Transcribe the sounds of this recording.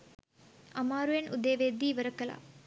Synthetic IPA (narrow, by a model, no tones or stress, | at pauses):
ɐmaːɾuenud̪eːʋeːd̪iːʋɐɾɐkːɐla̰